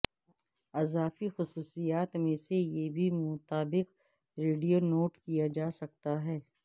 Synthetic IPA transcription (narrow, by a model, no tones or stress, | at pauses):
ɐzaːfixʊsuːsijaːt̪mẽsejebʱimʊt̪aːbɪq | ɾeːɖijonoːʈkijad͡ʒaːsɐk̚t̪aɦɛː